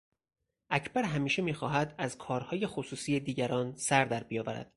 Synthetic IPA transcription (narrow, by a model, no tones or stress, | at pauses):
ʔæcʰbæɾɦæmiːʃe̞miːxɒːɦæd̪æzkʰɒːɾhɒːje̞xosuːsiːed̪iːɟæɾɒːnsæɾd̪æɾbijɒːvæɾæ̰d̪̥